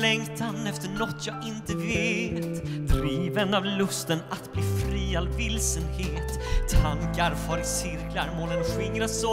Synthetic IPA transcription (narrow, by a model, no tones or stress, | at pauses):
lɛŋt̪ʰanɛft̪əɳɔt̪ʰːjɑːɡɪnt̪əveːt̪d̪ɾiːvənavlɵst̪ənat̪bliːfɾiːalvɪlsənheːt̪ʰːaŋkaɾfɔːɾɪsɪɾklaɾmoːlənɧɪŋːɾasɔ